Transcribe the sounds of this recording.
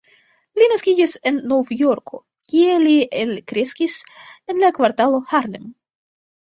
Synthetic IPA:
linaskʲid͡ʒise̞nːovjo̞ɾko̞ | kʲie̞lielkɾe̞skise̞nlakvaɾtalo̞haɾlḛm

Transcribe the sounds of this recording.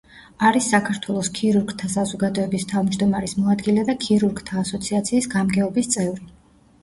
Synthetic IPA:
aɾisːakʰaɾt̪ʰwɛlˠɔskʰiɾuɾɡt̪ʰasazɔɡad̪ɔɛbist̪ʰavmd͡ʒd̪ɔmaɾismɔad̪ɡilɛd̪akʰiɾuɾɡt̪ʰaːsɔt̪sʰiat̪sʰiːsɡamɡɛɔbist̪sʼɛvɾi

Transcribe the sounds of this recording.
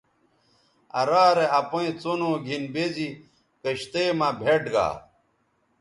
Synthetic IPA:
ɐ̰ɾaːɾeɐpoĩt͡sonoːɡʱinbezi | kɐɕt̪eːmabʱeʈɡa̰ː

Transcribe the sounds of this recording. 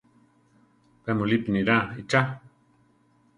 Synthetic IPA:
pemolipiniɾait͡ʃa

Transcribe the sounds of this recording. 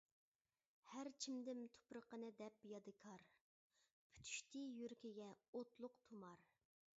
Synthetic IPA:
hæɾt͡ʃʰimd̪ɪmt̪ʰo̥pɾəqənɨd̪ɛpjɑd̪ɨkʰɑɾ | pʰy̥t̪ʰy̥ʃt̪ʰijyɾkʲiɡʲɛot̪lˠʊqt̪ʰumɑɾ

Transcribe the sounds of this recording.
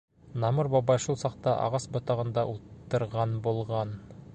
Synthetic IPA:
nɑmɤɾbɑbɑjʃulˠsɑq̚t̪ɑʔɑ̰ʁɑsbŏt̪ɑʁɤ̆nd̪ɑʔulˠt̪ːɤ̆ɾʁɑnbulˠʁɑn

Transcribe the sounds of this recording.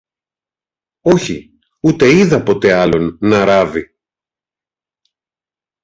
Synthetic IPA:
o̞çi | ut̪e̞iðɐpo̞t̪e̞ɐlo̞nːɐɾɐvi

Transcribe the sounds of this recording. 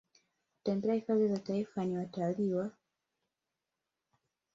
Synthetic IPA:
ku̥tambɛahifazizataifaniwataliwa

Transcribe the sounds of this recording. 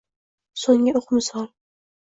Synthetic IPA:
soŋʲɪoqmɪsɒlˠ

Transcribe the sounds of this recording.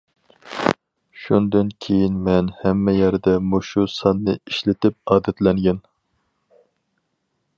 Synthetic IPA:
ʃund̪ɨnkʲʰejinmɛnhɛmːɛjæɾd̪ɛmuʃusɑnːɨiʃlɪt̪ɪp̚ɑːd̪ɛt̪lɛŋɡʲɛn

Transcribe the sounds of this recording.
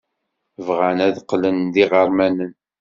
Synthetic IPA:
vʁænæðqːlənðiʁəɾˤmænən

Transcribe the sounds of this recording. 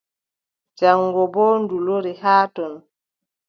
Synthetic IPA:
d͡ʒaŋɡɔbɔːnduloɾihaːtɔn

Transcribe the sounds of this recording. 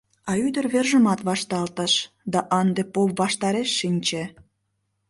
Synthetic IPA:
ɑyd̪ərβerʒəmɑt̪βɑʃt̪ɑlt̪əʃ | d̪ɑʔɑnd̪epopβɑʃt̪ɑɾeʃːinʲt͡ɕe

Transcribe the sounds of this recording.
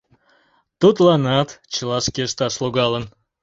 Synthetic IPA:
t̪ut̪lɑnɑt̪t͡ɕəlˠɑʃkʲeʃt̪ɑʃlˠoɣɑlən

